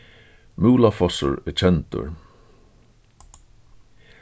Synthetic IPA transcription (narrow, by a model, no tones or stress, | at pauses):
muːlafɔsə̰ɹɛt͡ʃʰɛnt̪ʊ̰ɹ